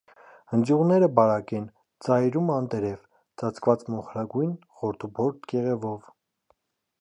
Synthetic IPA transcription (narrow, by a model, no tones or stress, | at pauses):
hənd͡zjuʁnɛɾəbɑɾɑkɛn | t͡sɑjɾumɑnt̪ɛɾɛv | t͡sɑt͡sʰkʰvɑt͡smɔχɾɑɡujn | χɔɾt̪ʰubɔɾt̪ʰkɛʁɛvɔv